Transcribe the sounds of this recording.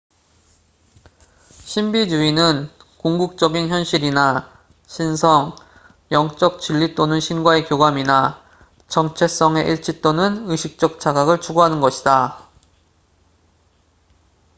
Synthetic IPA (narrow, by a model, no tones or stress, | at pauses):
ɕʰimbid͡ʑuinɯn | kuŋɡuk̚t͡ɕ͈ʌɡinçjʌnɕʰiɾina | ɕʰinsʰʌŋ | jʌŋt͡ɕ͈ʌk̚t͡ɕiʎːit͈onɯnɕʰinɡwae̞kjoɡwamina | t͡ɕʌŋt͡ɕʰe̞s͈ʌŋe̞ʔiɭt͡ɕʰit͈onɯnɯɕʰik̚t͡ɕ͈ʌk̚t͡ɕʰaɡaɡɯɭt͡ɕʰuɡoɦanɯnɡʌɕʰida